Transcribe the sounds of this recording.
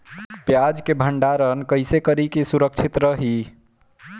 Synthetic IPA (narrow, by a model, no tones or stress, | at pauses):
pjad͡ʒkebʱəɳɖaɾənkəjsekəɾikesuɾək̚t͡ʃʰit̪ɾəɦi